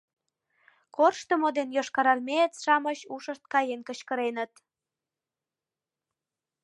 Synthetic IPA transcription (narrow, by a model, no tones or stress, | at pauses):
korʃt̪əmod̪enjoʃkɑɾɑlmʲeət͡sʃɑməɕuʃəʃt̪̚kɑjenkəɕkə̆ɾenə̆t̪